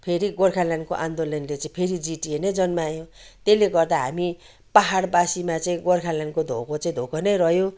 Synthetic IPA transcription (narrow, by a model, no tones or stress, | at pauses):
pʰeɾiɡorkʰalankoʔand̪olʌnlet͡saĩpʰeɾid͡ziʈienʌjd͡zʌnmajõt̪eleɡʌrd̪aɦa̰mi | paɦaɽbasimat͡saĩɡorkʰalankod̪ʱo̰kʰot͡saĩd̪ʱokʰʌnʌjrʌɦjõ